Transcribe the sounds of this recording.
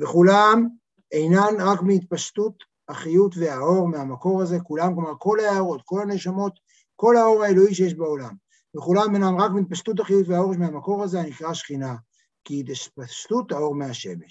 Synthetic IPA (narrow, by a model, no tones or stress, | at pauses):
veχulam | ejnanʁakmiit̪̚paʃtut̪ | aχijutveao̞ʁmeamako̞ʁaze̞kulamklomaʁko̞laaːʁo̞t̪ko̞lhane̞ʃamo̞t̪ | ko̞lhao̞ʁae̞loiʃejeʃbeo̞lam | veχulamejnamʁakmiit̪̚paʃt̪ut̬aχijutveao̞ʁʃmeamako̞ʁazeanikʁaʃχina | kiit̪ʃpaʃtut̪ao̞ʁmeaʃe̞̰meʃ